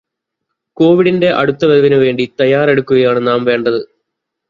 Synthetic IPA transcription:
ko̞ːʋiɽinde̞ʔɐ̰ɽut̪ːɐʋeðɐʋinɨʋe̞ːɳɖit̪ɐjaːɾe̞ɽukːuɣɐjaːɳɨnaːmʋe̞ːɳɖɐðɨ

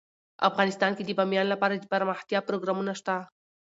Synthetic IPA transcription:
a̰fɣɑnɪst̪ɑnked̪əbamjɑnlapɑɾad̪əpaɾməxt̪jɑpɾoɡɾɑmunaʃt̪a

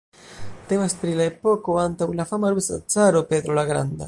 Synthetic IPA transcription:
t̪ɛmaspɾilaepːɔkoant̪aulafamaɾusa̰t̪saɾoped̪ɾolaɡɾa̰nd̪a̰

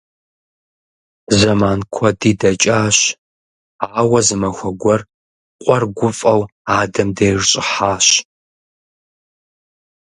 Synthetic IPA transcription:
zɐmaːnkʷʰɔdiːdɐt͡ʃʼaːɕ | aːwɐzɨmɐxʷɔɡʷɔr | qʷʼɔrɡʷʊfʼɐwaːdɐmdɐjrɕʼɪ̰ħaːɕ

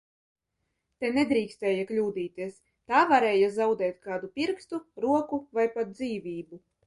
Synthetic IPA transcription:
t̪ɛnɛd̪ɾiːkst̪ɛːjaklʲuːd̪iːt̪ʲiɛs | t̪aːvaɾɛːjazawd̪ɛːt̪̚kaːd̪upʲiɾkst̪uɾuɔkuvajpat̪̚d̪ziːvʲiːbu

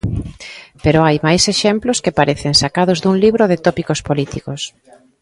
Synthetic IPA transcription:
peɾoajmajseʃemplʊskepaɾeθɪŋsakaðʊzðuŋliβɾoðɪt̪ɔpikospolit̪ikos

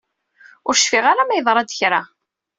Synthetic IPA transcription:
ʊɾʃfiʁaɾamæjðˤɾˤɑd̪çɾa

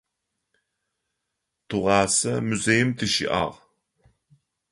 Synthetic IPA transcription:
t̪ʰuʁaːsɐmuzejɪmt̪ʰɨʃḭʔɑ̰ʁ

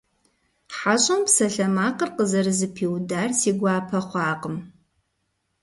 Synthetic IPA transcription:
ħaɕʼɐmpsɐɬɐmaːqərqəzɐrɨzɨpʰiːwdaːrsiːɡʷɑːpʰɐχʷɑːqəm

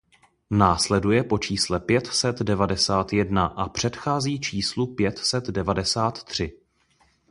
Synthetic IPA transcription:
naːslɛdujɛpo̞t͡ʃiːslɛpjɛt̪sɛt̪dɛvadɛsaːt̪jɛdnaʔapr̝̥ɛt̪xaːziːt͡ʃiːslupjɛt̪sɛt̪dɛvadɛsaːt̪ːr̝̥ɪ

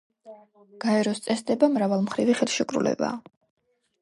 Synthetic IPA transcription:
ɡ̥aɛɾɔst̪sʼɛsd̪ɛbamɾavalˠmχɾiviχɛlˠʃikʼɾṵlɛ̰ba̰ː

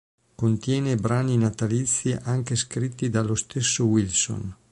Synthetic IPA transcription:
kont̪jɛːnebɾaːninat̪alit̪sːiʔaŋkeskɾit̪ːid̪alost̪esːowilso̰n

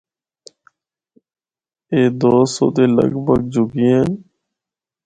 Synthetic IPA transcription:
eːd̪oːso̰ːd̪eːlə̰ɡbʱəɡ̚d͡ʒʊɡiːeːn

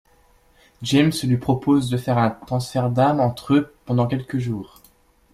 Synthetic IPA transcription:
ʒɛmslɥipχɔpozd̪əfɛʁɛ̃t̪χɑ̃sfɛʁd̪amɑ̃t̪χøpɑ̃d̪ɑ̃kʲɛlkəʒuːʁ

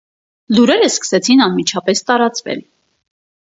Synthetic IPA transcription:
luɾɛɾəskə̥sɛt͡sʰinɑnmit͡ʃʰɑpɛst̪ɑɾɑt͡svɛ̰l

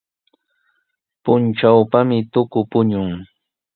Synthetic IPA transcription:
pʊnt͡ʃawpamɪt̪ʊkʊpʊɲʊŋ

